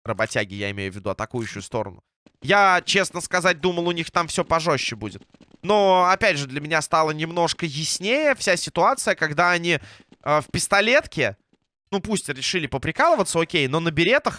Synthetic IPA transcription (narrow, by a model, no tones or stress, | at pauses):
rəbɐtʲæɡʲɪja̰ɪmʲejʊvʲːɪd̪uɐt̪ɐkujʉɕːʊjʊst̪o̞̰ɾə̰nʊ | jat͡ɕe̞snəskɐzat̚ʲd̪uməlˠʊnʲixt̪amfsʲɵpɐʐoɕːɪbudʲɪt̪̚ | no̞ɐpʲædʲʐɨd̪lʲəmʲɪnʲast̪alˠənʲɪmno̞ʂkəjɪsʲnʲejəfsʲasʲɪt̪ʊat̪sɨjəkɐɡd̪aɐnʲiəfpʲɪst̪ɐlʲe̞t̪kʲɪ | nupusʲtʲɾʲɪʂɨlʲɪpəpɾʲɪkalˠəvət̪səokʲejno̞nəbʲɪɾʲe̞t̪əx